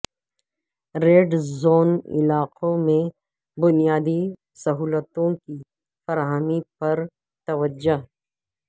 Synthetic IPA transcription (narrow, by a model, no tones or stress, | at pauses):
ɾeːɖzoːnɪ̰laːqʰõmẽ | bʊnijaːd̪i | sɐɦuːlət̪õki | fɐɾaɦəmipɐɾ | t̪ɐʋəd͡ʒʊɦ